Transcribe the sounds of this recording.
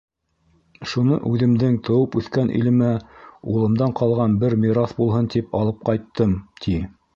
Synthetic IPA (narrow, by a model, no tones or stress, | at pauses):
ʃunɤ̰ʔʉðɘ̆md̪ɘŋt̪ʰɤ̆wɤpʉθkænʔḭlɘ̆mæulˠɤ̆md̪ɑɴqɑlˠʁɑnbɘɾmʲiɾasbulˠɦɤnt̪ipɑlˠɤp̚qɑjt̪ːɤmt̪ʰi